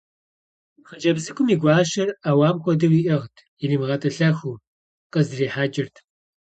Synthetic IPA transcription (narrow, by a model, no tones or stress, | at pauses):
χəd͡ʒɐbzɨkʷʰʼʊmiːɡʷɑːʃɐraːwaːmxʷɔdɐwiːʔɐʁtʰjiniːmʁɐtʼɐɬɐxuː | qəzriːħaːd͡ʒɪrtʰ